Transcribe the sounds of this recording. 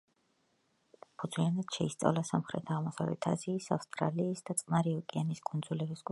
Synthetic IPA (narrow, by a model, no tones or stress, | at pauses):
pʰud̪zʰwianat̪ʃɛist̪sʼa̰vlasamχɾɛt̪ʰaʁmɔsa̰vlɛ̰t̪ʰa̰ziːsafst̪ʼɾa̰liːsd̪at̪sʼmaɾiɔkʼianiskʼund̪zulɛbisɡʼ